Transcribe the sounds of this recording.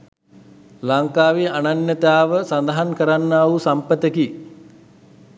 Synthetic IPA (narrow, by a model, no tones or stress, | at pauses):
laŋkaːʋiananjət̪aːʋəsand̪aɦankəɾanːaːusampət̪əki